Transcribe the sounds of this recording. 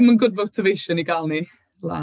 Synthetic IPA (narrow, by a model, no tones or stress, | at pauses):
mənɡʊd̚vowtʰəvejʃəniɡalˠni | lˠa̰